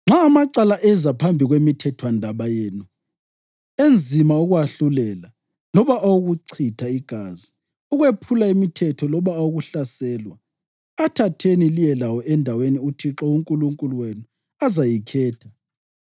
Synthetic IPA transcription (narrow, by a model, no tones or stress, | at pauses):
ŋ͡ǁʱaːmaǀalaʔɛzapʰambʱiɣwemitʰɛtʰwandʱaβajeːnu | end͡zʱimauɣwaɬulɛla | lɔβaʔawuɣuǀʰitʰaiɡ̥ʱaːzi | uɣwepʰulaimitʰɛtʰɔlɔβaːwoɣuɬasɛːlwaː | tʰatʰenilijɛlawɔʔɛndʱaweniutʰiǁɔuŋkʼuluŋkʼuluwenu | azajikʰɛːtʰḁ